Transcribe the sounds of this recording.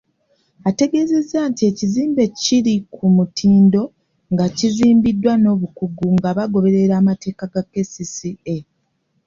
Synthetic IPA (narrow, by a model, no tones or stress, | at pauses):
ate̞ɡe̞ze̞zːaːntie̞ciziːmbe̞ciɾikʰumutʰiːndo̞ | ŋɡaciziːmbidːwano̞ːβukuɡuŋɡaβaɡo̞βe̞ɾe̞ɾaːmate̞ːkaɡakːesisie